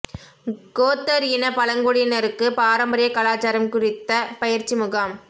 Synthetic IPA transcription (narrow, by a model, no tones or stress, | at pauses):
ɡoːt̪ːɐɾjɪnɐpɐlɐŋɡoɽɪnɐɾɯkːɯpaːɾɐmbɐɾɪjɐkɐlaːt͡ʃaːɾɐmkʊrɪt̪ːɐpɐjɪɾt͡ʃːimʊɣaːm